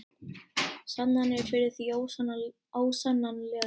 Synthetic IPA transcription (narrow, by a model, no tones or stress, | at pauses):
sat̪nanɛɾfɪɾɪðθi | aːwsanːanlɛ